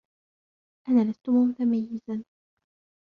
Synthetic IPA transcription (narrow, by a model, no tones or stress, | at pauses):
ʔanaːlast̪ʊmʊt̪amajːɪzan